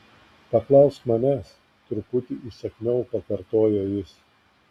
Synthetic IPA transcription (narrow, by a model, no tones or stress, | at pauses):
pɐklˠɐʊst̪mɐnʲæs | t̪ʊɾpʊt̪ʲiʔisʲɛkʲnʲɛʊpɐkɐɾt̪oːjoːjɪs